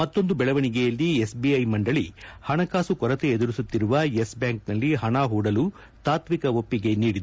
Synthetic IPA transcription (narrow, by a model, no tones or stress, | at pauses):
mɐt̪ːo̞nd̪ubɛɭɐʋɐɳiɡejɐlːiesbiɐjmɐɳɖɐɭihɐɳɐkaːsukɔɾɐt̪eed̪uɾisut̪ːiɾuʋɐjesbjaːŋk̚nɐlːiɦɐɳaːɦuːɽɐlu | t̪aːt̪ʋikɐʋopːiɡe̞niːɽid̪u